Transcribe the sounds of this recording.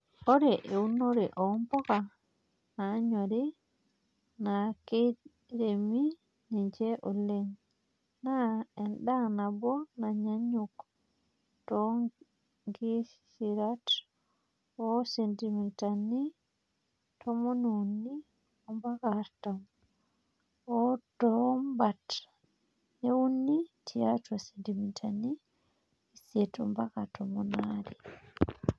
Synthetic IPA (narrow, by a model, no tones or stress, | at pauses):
ɔɾɛʔeunoɾɛʔɔmbɔka | naɲoɾi | nake | ɾemi | niɲd͡ʒɛʔɔlen | naɛnɗanabɔnaɲaɲuk | tɔ | ŋɡisiɾat | ɔsendimintani | tʰɔmɔnunːi | ɔmbakaɾtam | ɔdɔmbat | ɛwunːitʰiatasendimintʰani | isɛtɔmbakatɔmɔnaɾi